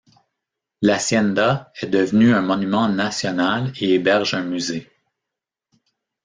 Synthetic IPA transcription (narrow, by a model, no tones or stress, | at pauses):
lasjɛnd̪aɛd̪əvnyɛ̃mɔnymɑ̃nasjɔnaleebɛʁʒɛ̃myze